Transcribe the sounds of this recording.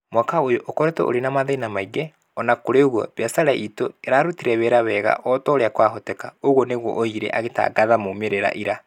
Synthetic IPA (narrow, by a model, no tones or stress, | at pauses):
mwakaojoʔokɔɾɛtɛ̰ʔo̰ɾenamaðeinamaiɡɛ | ɔnakoɾeoɣwɔ̰βjasaɾaʔitoeɾaɾutiɾɛβeɾaβɛɣa̰ʔɔtɔɾeakwaɦɔtɛkaoɣwɔneɣɔ̰ʔoiɾɛ̰ʔaɣeta̰ɡaðamomeɾeɾa̰ʔiɾa